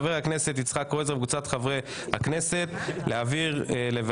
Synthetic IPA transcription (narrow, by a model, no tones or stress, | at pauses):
veakne̞se̞t̪it͡sχakoezʁabkut͡sat̪χavʁe | ha̰kne̞se̞t̪leaːviʁlev